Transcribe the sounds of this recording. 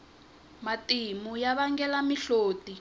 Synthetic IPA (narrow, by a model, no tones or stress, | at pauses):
matimujaβaŋɡɛlamiɬoːti